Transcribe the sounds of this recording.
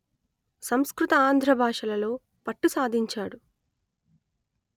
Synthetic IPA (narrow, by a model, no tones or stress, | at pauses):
sɐmskɾut̪ɐaːnd̪ʱɾɐbʱaːʂɐlɐlo̞ː | pɐʈːusaːd̪ʱiɲt͡ʃaːɽu